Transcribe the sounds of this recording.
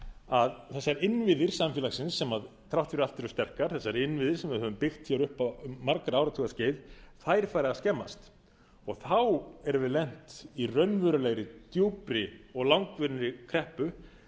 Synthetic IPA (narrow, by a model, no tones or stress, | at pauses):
aðθɛsːaɾɪnvɪðɪɾ̥samfjɛlaxsɪnsːɛmaðt̪ʰɾawt̪fɪɾalt̪ɛɾʏst̪ɛr̥kaɾ̥θɛsːaɾɪnvɪðɪ̥sɛmvɪðɦœvʏmpɪxt̪çawɾʏhpamaɾkaɾawɾat̪ʰuɣasceːjvθajɾ̥fajɾɪðaðscɛmːa̰st̪ | ɔɣθawɛɾvɪðlɛn̥t̪irœnvʏɾʏleːɣɾɪt̪joːwpɾɪɔɣlawŋkvʏɾnɾɪkʰɾɛhpʏ